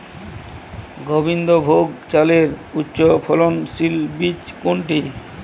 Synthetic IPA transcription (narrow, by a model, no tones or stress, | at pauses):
ɡobind̪obʱoɡt͡ɕaleɾutːɕopʰɔlonsilbit͡ɕkoɳʈi